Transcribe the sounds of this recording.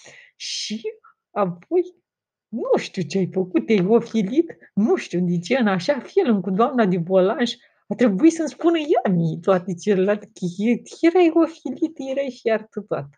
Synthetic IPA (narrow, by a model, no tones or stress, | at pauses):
ʃi | apo̞j | nuʃt̪ut͡ʃeajfəkut̪̚ːajofilit̪ | nuʃt̪ud̪it͡ʃeɨnaʃafilmkud̪oamnad̪ebolanʒ | at̪ɾe̞buisənspunəjamit̪oat̪et͡ʃelelalt̪ekəjet̪eɾajofilit̪jeɾajʃiart̪ət̪a̰t̪